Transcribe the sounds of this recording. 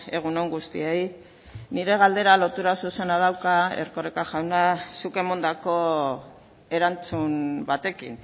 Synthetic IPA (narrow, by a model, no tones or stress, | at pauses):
e̞ɣ̞uno̞ŋɡust̪iej | niɾe̞ɣ̞ald̪e̞ɾalo̞t̪uɾasuse̞nað̞awkaḛrkorekaʝawnasuke̞mond̪ako̞ | e̞ɾant͡sumbat̪e̞kḭn